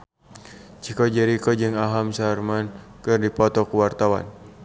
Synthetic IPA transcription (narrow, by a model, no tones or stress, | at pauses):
t͡ʃikɔd͡ʒɛɾikɔd͡ʒɨŋaɦamsarmankɨrdipɔt̪ɔkuwart̪awa̰n